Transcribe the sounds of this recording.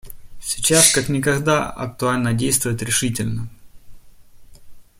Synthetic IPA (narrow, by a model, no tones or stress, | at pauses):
sʲit͡ɕaskaknʲɪkɐɣd̪aɐ̰k̚t̪ʊalʲnədʲejst̪vʊjɪt̪ɾʲɪʂɨtʲɪlʲnə